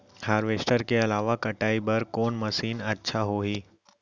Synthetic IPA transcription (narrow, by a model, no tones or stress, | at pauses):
haːɾʋeːsʈəɾkeɐlaːʋakɐʈaːibɐɾkoːnmɐsiːnɐtːʃʰaɦoɦiː